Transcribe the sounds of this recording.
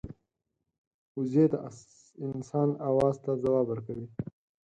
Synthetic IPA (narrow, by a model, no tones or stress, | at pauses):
ʊzet̪a | ɪnsɑːnawɑːzt̪azawɑːbəɾkawi